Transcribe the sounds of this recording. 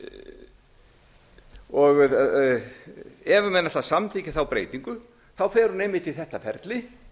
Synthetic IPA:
ɔɣð | ɛvʏmɛnːat̪asamθʰicɪ̥θawpɾeːjt̪iŋkʏ | θawfɛːɾʏnejmɪt̪ʰɪθɛht̪afɛɾt̪lɪ

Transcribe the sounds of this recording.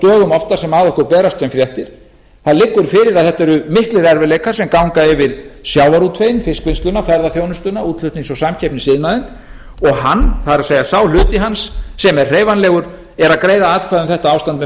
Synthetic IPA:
t̪œːɣʏmɔft̪ḁsɛmaːðɔhkʏɾpɛːɾast̪sɛmfɾjɛht̪ɪɾ̥ | θaðlɪkːʏɾ̥fɪːɾɪɾaðθɛht̪ːɛɾʏmɪhklɪɾɛɾvɪlejkḁsɛmkawŋkaɪvɪðsjawvaɾut̪ʰfeːjnfɪskvɪnskʏnafɛɾðaθjoːwnʏst̪ʏnːauːt̪l̥ʏt̪niŋsɔɣsamcʰɛpnɪsɪðnaðɪn | ɔɣɦanːθaðɾaseːjɣasawl̥ʏːt̪ɪɦansːɛmɛr̥r̥eːjvanlɛːɣʏɾ | ɛɾaðkɾeːjðaat̪kʰvaðʏmθɛht̪aaːwst̪ant̪mɛ

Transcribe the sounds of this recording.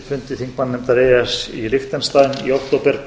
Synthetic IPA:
fʏnt̪ɪθiŋk̚manːʏmt̪aɾɛːɛsilɪft̪anst̪aːðɪnḭowkt̪ʰowpɛɾ̥

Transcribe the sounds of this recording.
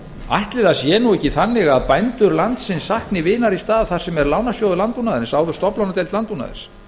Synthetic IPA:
a̰jht̪lɪðasjɛːnuɛhcːɪθanːɪɣaðpajnt̪ʏɾlant̪sɪnsːahknɪvɪːnaɾist̪aːðaθar̥sɛmɛɾlaːwnasjowðʏlant̪punaðɪɾnsaːwðʏ̥st̪ɔplawnat̪ɛjlt̪lant̪puna̰ðɪ̰ɾ̥s

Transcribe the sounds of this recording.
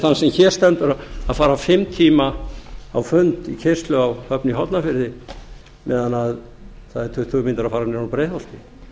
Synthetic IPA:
θanːsɛmçɛːɾ̥st̪ɛnt̪ʏɾaa̰faːɾafɪmt̪ʰiːmaawfʏnt̪icʰejr̥st̪lʏawhœpniɦɔt̪nafɪɾðɪ | mɛ̰ːðanað | θaðɛɾ̥t̪ʰʏht̪ʰumɪnt̪aɾaðfaːɾanɛɾupɾeːjθɔl̥t̪ɪ

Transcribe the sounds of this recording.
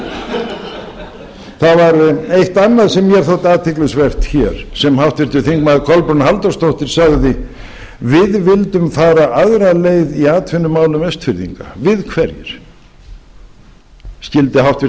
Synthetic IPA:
θaðvaɾʏejht̪anːaðsɛmːjɛɾ̥θowt̪aːt̪ʰɪklʏsvɛr̥t̪çɛɾ̥sɛmhawht̪vɪɾ̥t̪ʏθiŋkmaðɪkʰɔlpɾʏnhalt̪ast̪owht̪ɪɾ̥saɣðɪ | vɪðvɪlt̪ʏmfaːɾaʔaðɾaleːjðiaːt̪ʰfɪnːʏmaːwlʏmɛst̪fɪɾðḭŋka̰vɪðkʰvɛɾjɪ̰ɾ̥ | scɪlt̪ɪɦawht̪vɪ

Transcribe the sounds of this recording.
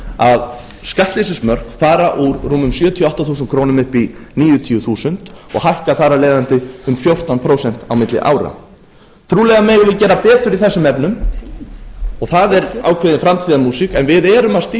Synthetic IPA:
að | skaht̪lisɪsmœr̥kθaːɾaʔuɾruːmʏmsjœːt̪ʰijɔɔht̪aθuːs̬nkʰɾownʏmʏhpiniːjʏt̪ʰiʏθuːsʏn̥t̪ɔ̰ɣhajhkaθaɾaleːðant̪ɪʏmfjowr̥t̪anpʰɾowsɛn̥t̪awmɪt̪lɪ̰ʔa̰ːwɾa̰ | t̪ʰɾuːlɛɣamɛːɣʏvɪcɛːɾapɛːt̪ʏɾiθɛsːʏmɛpnʏm | ɔɣθaðɛɾa̰ːwkʰvɪːðɪnfɾamt̪ʰiːðamuːsikɛnvɪðɛːɾʏmaðst̪ː

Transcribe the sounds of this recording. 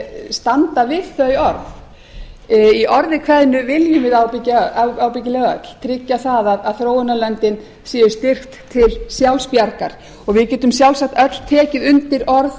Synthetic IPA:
st̪ant̪avɪðθœɥɔɾθ | iʔɔɾðɪkʰvɛðɪnːʏvɪljʏmvɪðawpɪcːaawpɪc̬ɪlɛɣœ̰t̪l̥t̪ʰɾɪcːaθaðaðaðθɾoːwɪnalœnt̪ɪn | siːðʏɾ̥st̪ɪr̥xt̪ʰːɪlsjawlspjaɾkaɾ̥ | ɔɣvɪðcɛːt̪ʏmsjawlsak̚t̪œt̪l̥t̪ʰɛːcɪðʏnt̪ɪɾɔɾð

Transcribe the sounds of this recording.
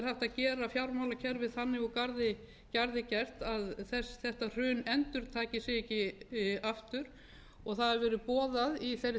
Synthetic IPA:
ɾhaft̪aðcɛːɾafjawɾmawlacʰɛɾvɪðθanːɪɣɔkaɾðɪ | caɾðɪcɛr̥t̪aðθɛsθɛht̪ar̥ʏːnɛnt̪ʏɾ̥t̪ʰaːcɪsɪcɪaft̪ʏɾ̥ | ɔɣθaðɛɾvɛːɾʏpɔːðaðiθejrːɪ

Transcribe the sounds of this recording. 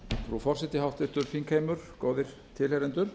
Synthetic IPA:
fɾufɔr̥sɛt̪ɪhawht̪ɪt̪ʏɾfiŋkʰeːjmʏɾ̥koːwðɪɾ̥ | t̪ʰɪlheɾɛnt̪ʏɾ̥

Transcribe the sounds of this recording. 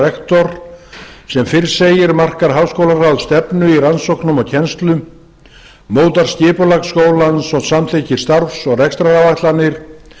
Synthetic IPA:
ɛkt̪ɔɾ̥ | sɛmfɪɾ̥seːjɪɾmar̥kaɾ̥ɦawskowlarawðst̪ɛpnʏiransowknʏmɔɣcʰɛnst̪lʏ | moːwt̪aɾ̥scɪːpʏlaɣskoːwlansɔɣsamt̪ʰecɪɾ̥st̪aɾfsɔɣrɛkst̪ɾaawvajt̪lanːɪɾ̥

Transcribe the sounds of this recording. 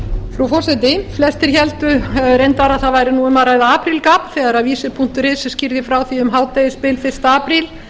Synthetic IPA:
fɾufɔsɛt̪ɪflɛst̪ɪɾ̥çɛlt̪ʏɛʏɾejnt̪aɾaðθaðvaːjɾɪnuːʏmaðɾaːjðaaːpɾilkaːpθɛːɣaɾaðviːsɪpʰuŋ̥t̪ʏɾɪðsɛscɪɾðɪfɾawθiʏmɦaːwt̪ejɪspɪlfɪr̥st̪aaːpɾil

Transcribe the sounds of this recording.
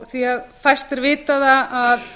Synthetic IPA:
θiaðfajst̪ɛɾvɪːt̪aðaað

